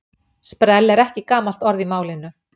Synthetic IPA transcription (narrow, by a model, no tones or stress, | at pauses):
spɾɛlːɛɾɛhcɪkaːmal̥t̪ɔɾðimaːwlɪnːʏ